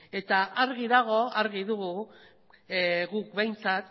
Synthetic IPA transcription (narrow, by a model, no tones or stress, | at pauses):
e̞t̪aʔaɾɣiðaɣ̞o̞aɾɣiðuɣu | ɣuk̚be̞jnt͡sat̪